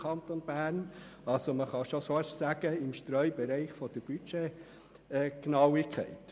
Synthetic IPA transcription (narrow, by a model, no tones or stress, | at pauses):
ɑnt̪onb̥æːɾn | ɑlsoməχɑʃosoʃsæɡ̥əɪmʃt̪ɾœʏbɛɾɛɪχfɔd̥əɾb̥yt͡ʃe | ɡ̥nɑwikχɛ̰ɪt̪